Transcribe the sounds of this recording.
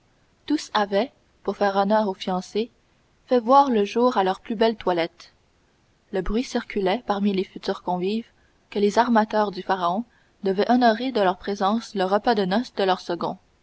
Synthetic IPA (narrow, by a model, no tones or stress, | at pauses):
t̪usavɛ | puʁfɛːʁɔnœːʁofijɑ̃se | fɛvwaːʁləʒuːʁalœʁplybɛlt̪walɛt̪ | ləbʁɥisiʁkʲylɛpaʁmilefyt̪yːʁkɔ̃viːv | kəlezaʁmat̪œʁd̪yfaʁaɔ̃ | d̪əvɛʔɔnɔʁed̪əlœʁpχezɑ̃sləʁəpad̪ənɔsd̪əlœʁsəɡɔ̰̃